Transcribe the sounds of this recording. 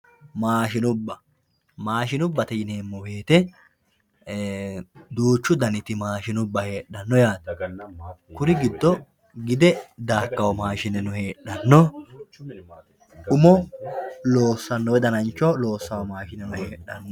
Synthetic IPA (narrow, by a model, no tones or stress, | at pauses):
maːʃɪnʊbːɐ | maːʃɪnʊbːɐt̪ɛjɪne̞ːmːɔwe̞ːt̪ɛ | d̪uːt͡ʃːʊd̪ɐnɪt̪ɪmaːʃɪnʊbːɐhe̞ːɗːɐnːɔjaːt̪ | kʊɾɪɡɪd̪ːɔ | ɡɪd̪ɛd̪aːkːɐwɔmaːʃɪnːɛnʊhe̞ːɗɐnːɔ | ʊmɔ | loːsːɐnːɔwɛd̪ɐnɐnt͡ʃːɔlo̞ːsːɐwɔmaːʃɪnːɛnʊhe̞ːɗːɐnːɔ